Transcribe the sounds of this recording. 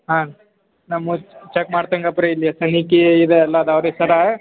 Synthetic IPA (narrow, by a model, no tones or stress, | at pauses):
ɦa | nɐmut͡ʃekmaːɽt̪ɐŋɡɐpːɾeilːijɐsɐnikeid̪eɐlːɐːd̪ɐʋɾesɐɾa